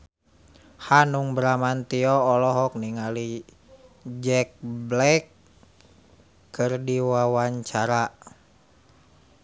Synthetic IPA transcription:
hanuŋbɾamant̪iɔːlɔɦɔk̚niŋali | d͡ʒɛk̚blɛk | ɨrdiwawaɲt͡ʃaɾa

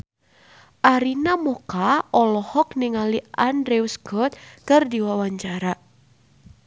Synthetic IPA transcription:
ʔaɾinamɔkaʔɔlɔhɔk̚nɪŋaliʔandɾeusɡɔt̪̚kɨrdiwawaɲt͡ʃaɾa

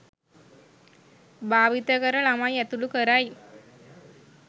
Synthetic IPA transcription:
baːʋit̪əkəɾəɭamajɛt̪ulukəɾaj

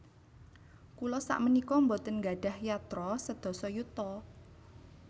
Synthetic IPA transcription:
kulɔsa̰ʔmənikɔmbot̪ənɡaɖ̥a̤hjat̪ɾɔsəd̪̥ɔ̤sɔjut̪ɔ

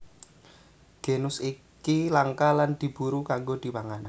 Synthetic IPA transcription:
ɡ̥enʊsi | kilaŋkaland̪̥i̤b̥uɾukaŋɡod̪̥i̤paŋana

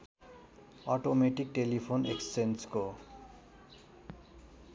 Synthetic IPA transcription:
ɔʈomeʈik̚ʈelipʰonḛkst͡sensko

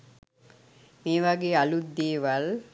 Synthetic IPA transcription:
meːʋaɡeːalud̪ːeːʋal

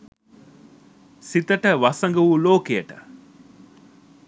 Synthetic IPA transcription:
sit̪ɐʈəʋɐsɐŋɡɐʋuloːkejɐʈə

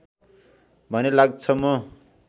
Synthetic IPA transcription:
bʱʌnelaɡ̚t͡sʰʌmʌ

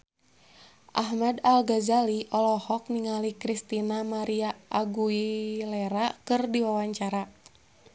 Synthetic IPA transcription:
ʔaɦmadalɡazaliʔɔlɔhɔk̚niŋalikɾist̪inamaɾiaaɡuilɛɾakɨrdiwawaɲt͡ʃaɾa

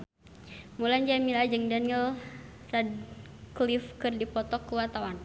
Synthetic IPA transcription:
muland͡ʒamilad͡ʒəŋdanəl | rad̚klifkɨrdipɔt̪ɔkuwat̪awan

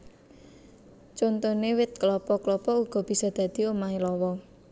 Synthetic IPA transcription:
t͡ʃont̪onewɪt̪̚klɔpɔklɔpɔuɡ̥ɔ̤b̥i̤sɔd̪̥ä̤d̪̥i̤omaelɔwɔ

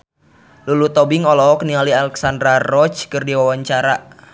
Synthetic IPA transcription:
lulut̪ɔbɪŋɔlɔɔknialialɛksandɾarɔt͡ʃkɨrdiwawaɲt͡ʃaɾaʔ

